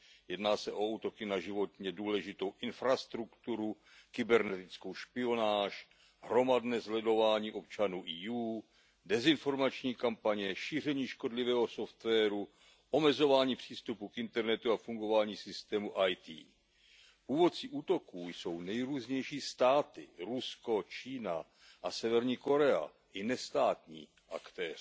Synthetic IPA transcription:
jɛdnaːsɛʔo̞uːt̪o̞kɪnaʒɪvo̞t̪ɲɛduːlɛʒɪt̪o̞wʔɪnfɾast̪ɾukt̪uɾu | kɪbɛɾnɛt̪ɪt͡sko̞wʃpɪo̞naːʃ | ɦɾo̞madnɛːzlɛdo̞vaːɲiːʔo̞p̚t͡ʃanuːʔiːjuː | dɛzɪnfo̞ɾmat͡ʃɲiːkampaɲɛʃiːr̝ɛɲiːʃko̞dlɪvɛːɦo̞so̞ft̪vɛːɾu | ʔo̞mɛzo̞vaːɲiːpr̝̥iːst̪upukɪnt̪ɛɾnɛt̪uafuŋɡo̞vaːɲiːsɪst̪ɛːmuʔajt̪ḭː | puːvo̞tt͡siʔuːt̪o̞kuːjso̞wnɛjɾuːzɲɛjʃiːst̪aːt̪ɪɾusko̞t͡ʃiːna̰ | ʔasɛvɛɾɲiːko̞ɾɛa̰ | ʔɪnɛst̪aːt̪ɲḭː | ʔa̰kt̪ɛːrɪ

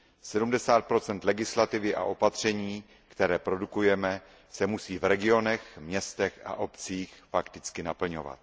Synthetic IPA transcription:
sɛdumdɛsaːt̪̚pɾo̞t͡sɛnt̪lɛɡɪslat̪ɪvɪʔa̰ʔo̞pat̪r̝̥ɛɲiː | kt̪ɛɾɛːpɾo̞dukujɛmɛ | sɛmusiːvɾɛɡɪo̞nɛxmɲɛst̪ɛxʔa̰ʔo̞pt͡siːxfakt̪ɪt͡skɪnapl̩ɲova̰t̪̚

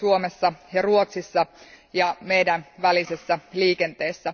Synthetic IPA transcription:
uomesːɑjɑruot̪sisːɑ | jɑmejdænʋælisesːæliːkent̪eːsːæ

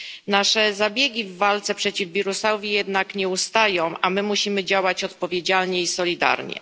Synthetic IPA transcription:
naʂɛzabʲjɛɡʲivːalt̪sɛpʂɛt͡ɕivbʲiɾusawvʲjijɛd̪nakɲɛust̪ajɔ̃w̃ʔamɘmuɕimɘd͡ʑawat͡ɕɔt̪pɔvʲjed͡ʑalɲɛisɔlʲid̪a̰ɾɲɛ̰

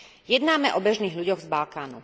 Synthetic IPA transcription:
jɛd̪naːmɛʔɔbɛʒniːɦʎuɟɔɣzbalkaːnṵ

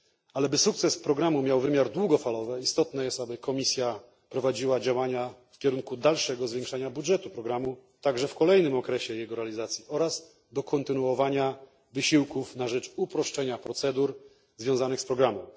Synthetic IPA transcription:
alɛbɘsuk̚t̪sɛspɾɔɡɾamumʲjawvɘmʲjaɾd̪wuɡɔfalɔvɛist̪ɔt̪nɛjɛst̪abɘkʰɔmʲisʲja | pɾɔvad͡ʑiwad͡ʑawaɲafkʲɛɾuŋkud̪alʂɛɡɔzvʲjẽŋkʂaɲabudʐɛt̪upɾɔɡɾamut̪aɡʐɛfkɔlɛjnɘmɔkɾɛɕɛjɛɡɔɾɛalʲizat̪sʲjiɔɾaz | d̪ɔkʰɔnt̪ɘnuɔvaɲa | vɘɕiwkufnaʐɛt͡ʂupɾɔʂt͡ʂɛɲapɾɔt̪sɛd̪uɾ | zvʲjɔ̃w̃zanɘxspɾɔɡɾamɔ̃

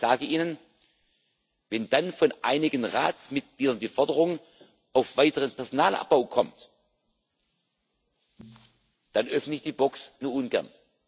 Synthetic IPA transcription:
z̥aːɡəʔiːnən | vɛnd̥anfɔnʔaɪnɪɡənʁa̰ːt͡smɪt̚ɡ̥liːdɐndiːfɔɐdəʁʊŋ | ʔaʊfv̥aɪtəʁənpʰɛɐzonaːlʔa̰p̚b̥aʊkʰɔmt | d̥anʔœfnəɪçd̥iːbɔksnuːɐʔʊnɡɛ̰ɐn

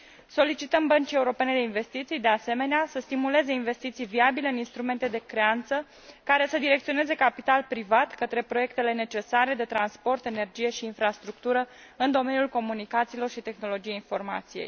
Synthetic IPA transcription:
so̞lit͡ʃit̪əmbənt͡ʃie̞uɾo̞pe̞ne̞d̪einve̞st̪it̪sijd̪e̞ase̞me̞neasəst̪imule̞ze̞inve̞st̪it̪sijviabile̞ɨninst̪ɾume̞nt̪ed̪e̞kɾe̞ant̪sə | kaɾe̞səd̪iɾe̞k̚t̪sio̞ne̞ze̞kapit̪alpɾivat̪kət̪ɾe̞pɾo̞je̞k̚t̪e̞le̞ne̞t͡ʃe̞saɾe̞d̪e̞t̪ɾanspo̞rt̪e̞ne̞rd͡ʒije̞ʃiːnfɾast̪ɾuk̚t̪uɾəɨnd̪o̞me̞njulko̞munikat̪silo̞rʃit̪e̞xno̞lo̞d͡ʒijeinfo̞rma̰t̪sijḛj

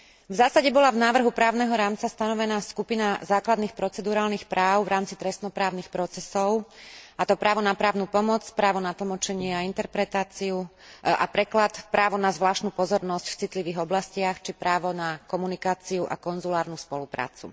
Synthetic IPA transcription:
vzaːsaɟɛbɔlavnaːʋr̩ɦupɾaːʊnɛɦɔɾaːmt͡sast̪anɔʋɛnaːskupinazaːklad̪niːxpɾɔt͡sɛd̪uɾaːlnixpɾʔaːʊvɾaːmt͡sit̪ɾɛsnɔpɾaːʊnixpɾɔt͡sɛsɔʊat̪ɔpɾaːʋɔnapɾaːʊnupɔmɔt͡spɾaːʋɔnat̪l̩ˠmɔt͡ʃɛɲɪɛaint̪ɛɾpɾɛt̪aːt͡siu | a̰pɾɛklat̪pɾaːʋɔnazʋlaːʃt̪nuːpɔzɔɾnɔscft͡sit̪liʋiːɣɔblascɪaxt͡ʃipɾaːʋɔnakɔmunikaːt͡siuʔa̰kɔnzulaːɾnuspɔlupɾa̰ːt͡sṵ

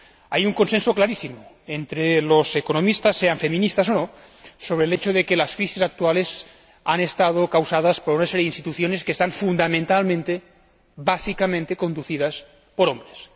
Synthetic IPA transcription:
ajuŋko̞nsensoklaɾisimo | ent̪ɾelosekonomist̪asːeaɱfe̞mĩnist̪asono | soβɾeːlet͡ʃoðekelaskɾisisak̚t̪uales | anest̪að̞okawsað̞aspoɾunaseɾjeinst̪it̪uθjo̞neskeːst̪aɱfund̪amẽnt̪almẽnt̪e | basikamẽnt̪eko̞nd̪uθið̞as | poɾombɾes

